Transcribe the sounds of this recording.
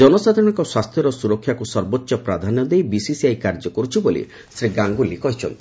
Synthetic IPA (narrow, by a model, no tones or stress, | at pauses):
d͡ʒɔnɔsat̪iɽ̃ɔŋkɔswast̪ʰjɔɾɔsuɾɔkʰːjakusɔɾbot̪ːʃɔpɾad̪ʱanɔd̪ejbisisiajkaɾd͡ʒɔkɔɾut͡ʃʰibolḭ | sɾiɡaŋɡulikɔɦit͡ʃʰɔnt̪ʰii̥